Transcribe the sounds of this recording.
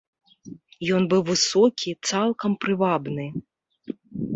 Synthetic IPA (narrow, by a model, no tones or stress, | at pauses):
jɔnbɨwvɨsɔkʲʰit̪salˠkɐmpɾɨvabnɨ